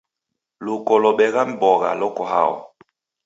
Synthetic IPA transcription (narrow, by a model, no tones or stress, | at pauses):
lukɔlɔɓɛɣam̩bɔɣa̰lɔkɔɦa̰ɔ̰